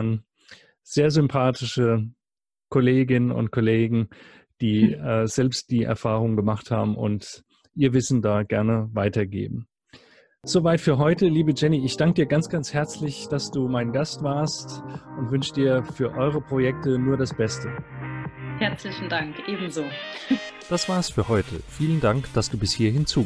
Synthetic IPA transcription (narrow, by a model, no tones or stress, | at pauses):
an | z̥eːɐzʏmpʰaːtɪʃə | kʰoleːɡɪnənʊ̰ntkʰoleːɡŋ̩ | d̥iːɛːz̥ɛlpst̚d̥iːʔɛ̰ɐfaːʁ̞ʊŋɡəmaχtha̰ːbm̩ʔʊ̰nt | ʔiːɐvɪsn̩daːɡɛɐnəvaɪtɐɡḛːbm̩ | z̥oːvaɪtfyːɐɦɔʏtəliːbəd͡ʒɛniɪçd̥aŋkədiːɐɡant͡sɡ̥ant͡shɛɐt͡slɪçd̥asd̥uːmaɪnɡastv̥aːɐstʔʊntv̥ʏnʃədiːɐfyːɐʔɔʏʁ̞əpʁ̥ojɛk̚tənuːɐɾasb̥ɛstə | hɛɐt͡slɪçn̩daŋkʔeːbm̩zoː | d̥asv̥aɐsfyːɐhɔʏtʰə̰fiːləndaŋkd̥asd̥uːbɪshiːɐhɪnt͡suː